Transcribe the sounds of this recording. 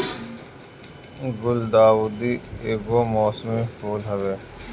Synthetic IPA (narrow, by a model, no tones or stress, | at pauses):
ɡʊld̪aːwuːd̪iːeːɡoːmɔːsmĩhoːlɦɐʋeː